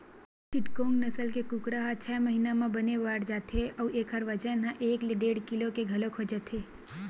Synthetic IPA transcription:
t͡ʃɪʈkõːŋɡnɐsəlkekʊkɾaɦat͡ʃʰɛːmɐɦiːnamãbɐneʋaːɽd͡ʒaːt̪eʔɔːeːkɦəɾʋɐd͡ʒənɦãʔeːkleɖeːɽkɪlokeɡʱɐlokʰoːd͡ʒet̪ʰeː

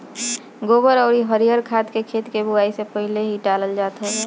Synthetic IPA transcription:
ɡobəɾɔːɾiɦəɾijəɾkʰaːt̪kekʰeːt̪kebuaːisepəɦɪleɦiɖaləld͡ʒaːt̪ɦɛ

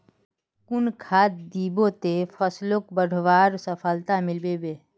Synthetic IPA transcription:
kʊnkʰaːt̪̚d̪iːbot̪efʰəslok̚bəɽ̤ʱʋaːɾsəpʰəlt̪amɪlbebeː

